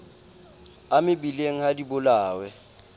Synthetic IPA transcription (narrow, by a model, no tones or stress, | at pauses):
amɪbileŋ̩hadibʊlaːwɛ